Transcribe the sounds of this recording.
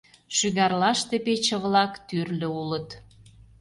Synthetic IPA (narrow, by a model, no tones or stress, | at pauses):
ʃyɣɑrlɑʃt̪epet͡ɕə̆βlɑkt̪yrlø̆ulət̪